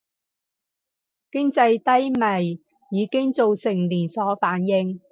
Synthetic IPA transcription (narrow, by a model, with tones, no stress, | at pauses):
kɪ˥ŋt͡sɐ˧jt̪ɐ˥jmɐ˨˩j | jiː˨˧kɪ˥ŋt͡so˨wsɪ˨˩ŋliː˨˩nsɔː˨˥faː˨˥njɪ˧ŋ